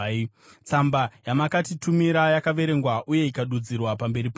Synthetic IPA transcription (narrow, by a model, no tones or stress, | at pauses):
t͡sambajamakatitumiɾajakaʋe̞ɾe̞ŋɡwaʔuje̞ikaɗud͡zirwapambe̞ɾip